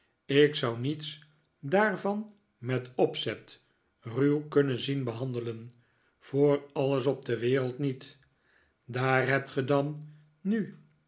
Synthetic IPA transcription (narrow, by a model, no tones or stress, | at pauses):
ɪksʌwnits | daːɹvɑn | mɛtɔpsɛt | rywkɵnənzinbəɦɑndələn | v̥ʊːrɑləsɔb̚dəʋɪːɾəlˠtnit | daːrɦɛp̚tχədɑnː | y